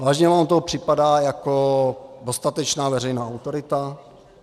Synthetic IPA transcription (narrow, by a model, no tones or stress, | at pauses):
vaːʒɲɛvaːmt̪oɦopr̥ɪpadaːjakodo̞st̪at̪ɛt͡ʃnaːvɛrɛjnaːawt̪oɾɪt̪a